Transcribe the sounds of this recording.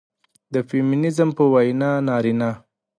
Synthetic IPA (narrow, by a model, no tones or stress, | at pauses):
d̪əfeminɪzmpəwajnɑnɑɾinɑ